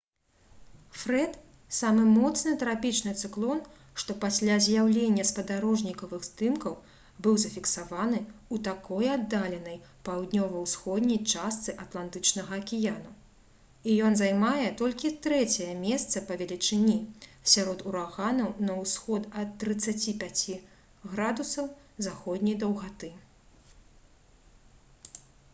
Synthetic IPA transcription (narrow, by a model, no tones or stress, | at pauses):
fɾɛt̪ | samɨmɔt̪snɨt̪ɾapʲit͡ʂnɨt̪sɨklˠɔn | ʂt̪ɔpasʲlʲazʲjawlʲenʲːɐspɐd̪aɾɔʐnʲikɐvɨɣzd̪ɨmkɐw | bɨwzɐfʲiksavan̪ɨut̪akɔjad̪ːalʲɛnɐj | pawd̪̚ʲnʲɔvɐwsxɔd̪ʲnʲɐjt͡ʂast̪sɨʔat̪lˠant̪ɨt͡ʂnɐɣɐːkʲijanu | ijɔnzajmajɛt̪ɔlʲkʲit̪ɾɛt͡sʲɛjɛmʲɛst̪sɐpɐvʲɛlʲit͡ʂɨnʲisʲaɾɔt̪uɾaɣanɐwnɐwsxɔt̪ɐt̪ːɾɨt̪sːat͡sʲipʲat͡sʲi | ɣɾad̪usɐw | zaxɔd̪ʲnʲɐjd̪ɐwɣat̪ɨ